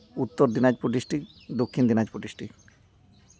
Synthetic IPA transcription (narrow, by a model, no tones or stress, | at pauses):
ut̪ːoɾd̪inad͡ʑpɾoʈ̬iʃʈik | d̪okʰːind̪inad͡ʑpoʈiʃʈi